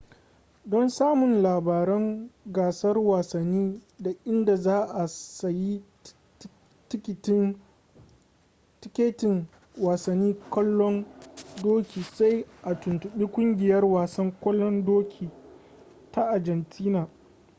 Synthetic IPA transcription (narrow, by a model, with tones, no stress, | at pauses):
dɔ˦nsaː˦mʊ˨nlaː˨baː˨ɾɛ˦ŋɡaː˨sɐ˦rwaː˨sɐ˨nːiː˦da˨ʔɪ˦nda˨zaː˦ʔa˨sa˨ji˦ | tɪ˦kʲɪ˨tɪ˦n | tɪ˦kʲeː˦tɪ˨ŋ | waː˨sɐ˨nːiː˦kɐ˦lːɔ˦ndoː˦kʲiː˨sa˦jʔa˨tʊ˨ntʊ˨ɓiː˦kʷʼʊ˦ŋɡʲɪ˨jɐ˦rwaː˨sɐ˦ŋkʷɔ˦lːɔ˦ndoː˦kʲʰiː˨ | ta˦ʔa˨d͡ʒɐ˨ntʰiː˦naː˨